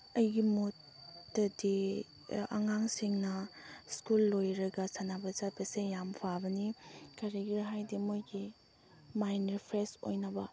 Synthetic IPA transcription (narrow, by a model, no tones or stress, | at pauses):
ɐjɡimotː | ɐdi | a̰ŋaŋsiŋnɐskulːojɾɐɡɐsanabɐzat̚bɐsejampʰabɐnikaɾiɡiɾɦajdimojɡi | majnɐɾpʰɾeso̰jnɐbɐ